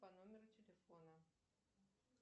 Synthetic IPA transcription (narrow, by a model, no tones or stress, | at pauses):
panumʲeɾut̪ʲelʲefonɐ